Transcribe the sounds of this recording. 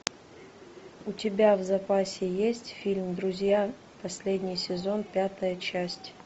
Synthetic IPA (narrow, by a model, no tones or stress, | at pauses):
ʊtʲɪbʲavzɐpasʲɪjesʲtʲfʲilʲmd̪ɾʊzʲja | pɐsʲlʲedʲnʲɪjsʲɪzo̞npʲat̪əjət͡ɕæsʲtʲ